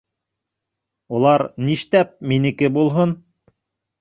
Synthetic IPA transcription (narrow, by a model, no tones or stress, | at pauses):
olˠɑɾniʃt̪æp̚minɘ̆kɘbulˠɦon